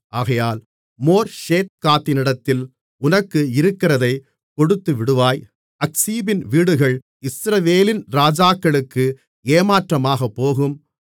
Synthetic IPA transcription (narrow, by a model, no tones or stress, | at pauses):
ʔaːɣɐjaːl | moːɾʃeːt̪̚kaːt̪ːɪnɪɽɐt̪ːɪl | ʊnɐkːɯɪɾɯkːɪɾɐðɐɪ | pɔɽɯt̪ːɯʋɪɽɯʋaːj | ɐksiːbɪnʋiːɽɯɣɐɭ | ɪsɾɐʋeːlɪnɾaːd͡ʒaːkːɐɭɯkːɯ | eːmaːʈrɐmaːɣɐpːoːɣɯm